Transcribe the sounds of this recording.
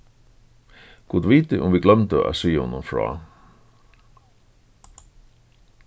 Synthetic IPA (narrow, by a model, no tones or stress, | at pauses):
ɡ̥uːd̪ʋiːt̪ɪʔʊmʋiːɡlœmt̪əʔæ̰syːhʊnːʊmfɹɑ̰ː